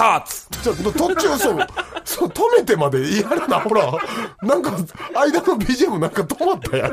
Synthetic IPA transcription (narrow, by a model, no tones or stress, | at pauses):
at͡sɨ̥t͡ɕanot̪ot͡ɕɨːsosot̪ome̞t̪e̞mad̪e̞ijaɾanaho̞ɾanãŋkaaid̪anobʲiʑiemɯnãŋkat̪omat̪ːajã̰